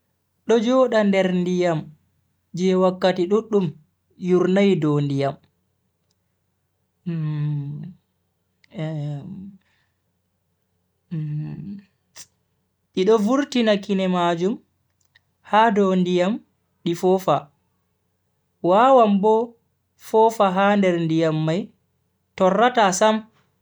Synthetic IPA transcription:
ɗɔd͡ʒɔɗandɛɾndijam | d͡ʒɛwakːatiɗuɗːum | juɾnajdɔndijam | ʔiɗɔvuɾtinakinɛmad͡ʒum | haːdɔndijam | ɗifɔfa | waːwambɔ | fɔfaɦandɛɾndijamːaj | tɔrːatasam

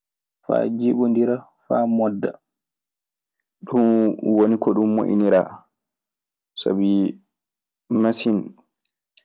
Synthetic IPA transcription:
fa̰ːd͡ʒiɓɔndiɾa | faːmɔdːa | ɗumwonikɔɗumːo̰ʔḭniɾa | sa̰bi | masin

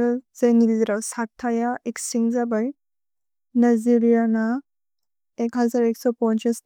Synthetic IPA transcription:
zajniliziɾawsak̚tʰajaeksiŋzabaj | najziɾijana | ekɦazaɾeksɔpɔnt͡ʃes

